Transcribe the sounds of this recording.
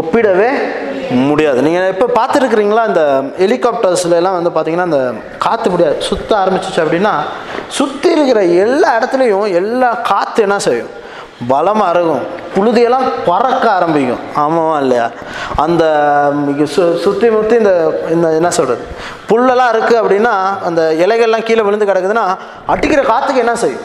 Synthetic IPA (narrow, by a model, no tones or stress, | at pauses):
ɔpːɪɽɐʋeːmʊɽɪjaːðɯniːŋɡɐɪpːopaːɾt̪ɯɾɯk̬ːɪɾiːŋɡɐlaːɪnd̪ɐɛlɪkːaːp̚ʈɐɾslɛlːãːʋɐnd̪ɯpaːɾt̪iːŋɡɐnːaːɐnd̪ɐ | kaːt̪ːɯmʊɽɪjaːðɯsʊt̪ːɐ̃aːɾɐmbɪt͡ʃːɯt͡ʃːɯɐpːɐɽɪnːaː | sʊt̪ːɪɪɾɯkːɪɾɐɛlːaːɪɽɐt̪ːɪlɐjʊ̃ɛlːaːkaːt̪ːɯɛnːãːsɛjʊ̃ | bɐlɐmaːɾɯɣʊ̃pʊɻʊðɪjɛlːãːpɔɾɐkːaaːɾɐmbɪkʲːʊ̰̃aːmɐʋãːɪlːɐja̰ː | ɐnd̪ɐ | ssʊt̪ːimʊt̪ːiɪnd̪ɐɪnd̪ɐɛnːɐsɔlrɐðɯ | pʊɭːɛlãːɪɾɯkːɯɐpːɐɽɪnːaːɐnd̪ɐɛlɐɪɣɐɭɛlːãːkiːlɐʋɪɻɯnd̪ɯkɪɽɐkːɯðɯnːaː | ɐʈːɯkːɪɾɐkaːt̪ːɯkːɯɛnːãːsɛjʊ̰̃